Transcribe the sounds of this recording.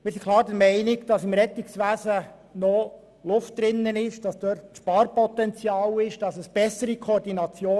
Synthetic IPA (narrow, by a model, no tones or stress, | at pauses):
mɪːɾsikʰlˠɑːɾdəɾmɛɪnɪɡd̥ɑsɪmɾɛt̪ɪksʋæːzə | nɔ | lʊftdɾɪnːənɪʃd̥ɑsd̥œːrtʃpɑːrpɔtɛnt͡sjɑːlɪʃd̥ɑsəsb̥ɛsəɾikʰoːɾdinɑt͡sjoː